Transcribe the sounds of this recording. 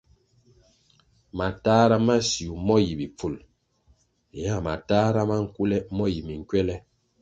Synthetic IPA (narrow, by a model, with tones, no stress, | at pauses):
ma˨taː˦ɾa˦ma˦si˨u˨mɔ˦ji˨bi˨p͡fu˨l | ja˦˨ma̰˨ta˦ɾa˦ma˦ŋ̩˦ku˦lɛ˦mɔ˦ji˨mi˨ŋ˨kwɛ˦lɛ˦